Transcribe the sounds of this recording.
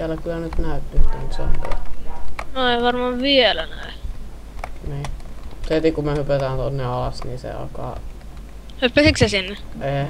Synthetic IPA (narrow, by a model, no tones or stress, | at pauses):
ælːækylːænyt̪næˑyt̪ːykt̪eŋkso̰mpḛ | noleʋɑrmɑːʋʋielænæ̰e | niːset̪ikumehypet̪ænt̪onːeɑlɑsniːsḛɑ̰lkɑ̰ːˑ | hypːesiksesinːeʔeː